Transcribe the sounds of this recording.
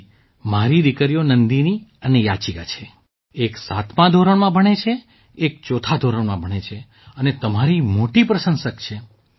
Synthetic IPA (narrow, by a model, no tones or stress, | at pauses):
maɾid̪ikəɾijonənd̪iniənejat͡ʃika̰t͡ʃʰe | eksat̪ʰmãd̪ʱoɾəɳmãbʱəɳ̃et͡ʃʰe | ek̚t͡ʃot̪ʰad̪ʱoɾəɳmãbʱəɽ̃et͡ʃʰe | ənet̪əmaɾimoʈipɾəsə̃nsəkt͡ʃʰe